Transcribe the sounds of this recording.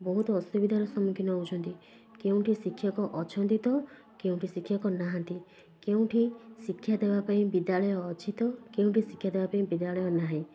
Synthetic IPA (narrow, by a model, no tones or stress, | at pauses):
bɔɦut̪ɔɔst̪ubid̪ʱaɾɔsɔmukʰinɔut͡ʃʰɔnt̪i | keũʈʰisikʰːjɔkɔʔɔt͡ʃʰɔnt̪it̪ɔ | keũʈʰisikʰjɔkɔnaɦant̪i | keũʈʰisikʰːjad̪ebapaĩbid̪aɭɔjɔːt͡ʃʰit̪ɔkeũʈisikʰjad̪ebapaĩbid̪aɭɔjɔnaɦĩ